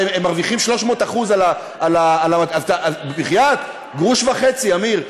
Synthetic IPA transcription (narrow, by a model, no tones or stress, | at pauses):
eemːaʁviχimʃlo̞ʃmo̞ːtaχuzala | alaːlaaazt̪aʔabebiχjat̪ | ɡʁuʃvaχet͡siamiʁ